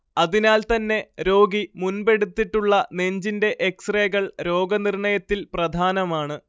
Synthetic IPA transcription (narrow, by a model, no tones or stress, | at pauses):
ɐðinaːlt̪ɐnːe̞ɾo̞ːɡimunbe̞ɽut̪ːiʈːuɭːɐne̞ɲd͡ʑinde̞ʔeksreːɣɐɭɾo̞ːɡɐnirɳɐjɐt̪ːilprɐd̪ʱaːnɐmaːɳɨ